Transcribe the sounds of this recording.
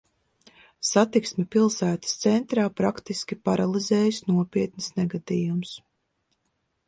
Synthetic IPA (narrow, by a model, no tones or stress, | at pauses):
sat̪iksmʲɛpilˠsæːt̪ə̥st̪sɛnt̪ɾaːpɾakt̪iskʲipaɾalˠizɛːjsnuɔpʲiɛt̪nisnɛɡad̪iːjums